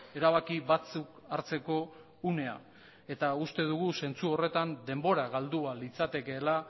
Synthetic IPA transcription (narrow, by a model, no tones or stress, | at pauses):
e̞ɾaβ̞akiβat͡suk | aɾt͡se̞ko̞ | une̞a̰ | e̞t̪aust̪e̞ðuɣ̞use̞nt͡suo̞re̞t̪and̪e̞mbo̞ɾaɣald̪ualit͡sat̪e̞ke̞ːla